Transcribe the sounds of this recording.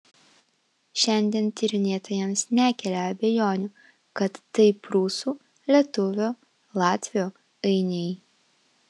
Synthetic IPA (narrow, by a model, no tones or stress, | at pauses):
ʃʲɛnʲd̪ʲiɛnt̪ʲɪɾʲɪnʲeːt̪oːjɛmsnʲækʲɛlʲɛɐbʲɛjoːnʲʊ | kɐt̪ːɐɪpɾuːsuː | lʲiɛt̪ʊʋʲoː | lˠɑːt̪ʲʋʲɪjoː | ɐɪnʲɛj